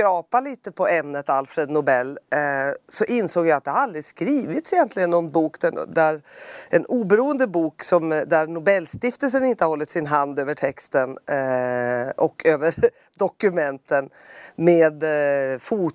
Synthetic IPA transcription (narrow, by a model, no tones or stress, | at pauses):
ɾɑːpaliːt̪əpʰɔɛmnət̪alfɾed̪nʊbɛlː | sɔʔɪnsoːɡjaat̪̚d̪ɛhaɾald̪ɾɪskɾiːvɪt̪sɛjɛnt̪ʰlɪɡənːɔnt̪buːkd̪æd̪æɾʔɛnuːbɛɾuːənd̪əbuːksɔmd̪æɾnʊbɛlːst̪ɪft̪əls̬ənɪnt̪əhahɔlːɪt̪sɪnɦand̪øːvəʈʰɛkst̪ən | ʔɔkʰːøːvəɾ | d̪ɔkɵmɛnt̪ən | meːd̪fuː